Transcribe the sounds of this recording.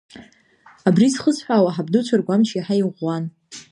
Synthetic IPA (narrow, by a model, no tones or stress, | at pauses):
abrizχəsħʷᶣawaħabdut͡ʃʷʰarɡʷamt͡ʃʰiħaiʁʷːan